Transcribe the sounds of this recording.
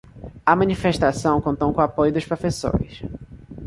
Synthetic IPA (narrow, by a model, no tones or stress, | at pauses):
ɐmɐ̃nifeʃt̪asɐ̃w̃kõnt̪õw̃kõapojʊd̪ʊʃpɾofeso̰ɾɪ̰s